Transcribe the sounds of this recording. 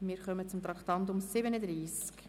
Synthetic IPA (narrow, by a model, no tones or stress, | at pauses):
mɪːɾχœmət͡sʊmt̪ɾɑktɑntʊmsɪbənədɾiːsk